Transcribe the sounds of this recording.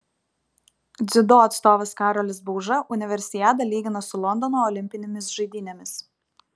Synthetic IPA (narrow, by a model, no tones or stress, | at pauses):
d̪zʲɪd̪oːɐt̪st̪oːʋɐskɑːɾɔlʲɪsbɔʊʒɐʔʊnʲɪʋʲɛɾʲsʲɪjʲæt̪̬ɐlʲiːɡʲɪnɐsʊlˠɔnd̪ɔnoːɔlʲɪmʲpʲɪnʲɛmʲɪsʒɐɪd̪ʲiːnʲɛmʲɪs